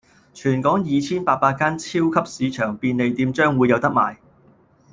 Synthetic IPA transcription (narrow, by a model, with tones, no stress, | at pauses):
t͡ʃʰyː˨˩nkɔː˨˥ŋjiː˨˧t͡sʰiː˥npaː˧t̚paː˧t̚kːaː˥nt͡sʰiː˥wkʰɐ˥p̚siː˨˧t͡ʃʰœː˨˩ŋpiː˧nle˨˧jt̪iː˨˧mt͡ʃœː˥ŋwuː˨˧jɐ˨˧wt̪ɐ˥k̚ma̰ː˨˩j